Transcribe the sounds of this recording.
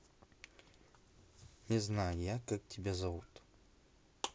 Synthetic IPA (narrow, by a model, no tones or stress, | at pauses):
nʲɪznajʊjakak̚tʲʰɪbʲazɐvut̪